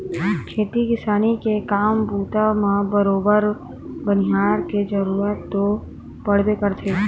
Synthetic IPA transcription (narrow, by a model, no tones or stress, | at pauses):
kʰeːt̪ikɪsaːnikekaːmbʱuːt̪amãbəɾoːbəɾ | bənɪɦaːɾked͡ʒəɾuːɾət̪ːo | pəɽ̤bekəɾt̪ʰeː